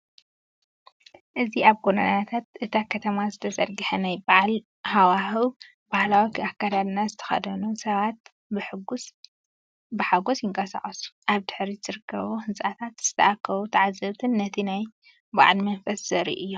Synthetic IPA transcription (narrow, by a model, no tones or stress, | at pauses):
ʔɨziaβɡonɐ̰nat̪ʰat̪̚ʔɨt̪ʰakʰɐt̪ʰɐmazɨt̪ʰɐzɐɾɡɨħɐnajbaʕl | hawahɨw | b̥ahlawikakːad̪ad̪nazɨt̪ʰɐ̥xɐ̰d̪ɐnusɐβat̪̚ | bɨħɨɡus | bɨħaɡosjɪŋkʼɐsa̰χʼɐsu̥ʔaβd̪ɨħɾizɨɾɨkʰːɐβuhɨnsʼʔat̪ʰat̪z̥ɨ̥t̪ʰɐ̰akʰːɐβut̪ʰɐʕazːɐβt̪ʰɨnːɐt̪ʰinaj | ba̰ʕlmɐnfɐssɨɾḭʔɨjːo